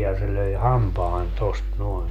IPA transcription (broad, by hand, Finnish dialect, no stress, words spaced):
jɑ se løi hɑmpɑːn tost noen